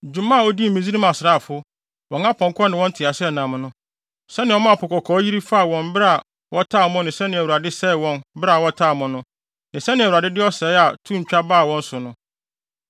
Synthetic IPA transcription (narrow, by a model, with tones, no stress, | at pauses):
d͡ʑᶣu˨mã˦a˨wo˦di˦m̩˨mĩ˨zi˦ɾi˦mã˨sɪ˨ɾa˦˨fʊ˦ | wɔ̃˨ŋã˦pʰɔ̃˨ŋ˦kʰɔ˦nɪ̃˨wɔ̃˦ntʰɪ˨a˨sɪ˦ɛ˨nã˨m˨nʊ̃˦ | sɛ˦nɪ̃˨˦ɔ˦mã˦˨pʰʊ˨kʰɔ˨kʰɔː˨˦ji˦ɾi˦fa˦a˨wɔ̃˨mbɾa˨ | wʔɔ˦tʰa˦˨mʊ̃˦nɪ̃˨sɛ˦nɪ̃˨æ˨wu˨ɾa˨dɪ˦sɛ˦˨wɔ̃˦˨nbɾa˦˨wɔ˦tʰa˦˨mʊ̃˨nʊ̃˦ | nɪ̃˨sɛ˦nɪ̃˨æ˨wu˨ɾa˨dɪ˦dɪ˦ɔ˦sɛ˨ɪ˦a˨tʰũ˦ɲ̩˨t͡ɕᶣa˦baː˦˨wɔ̃˦n̩˦sʊ˨nʊ̃˦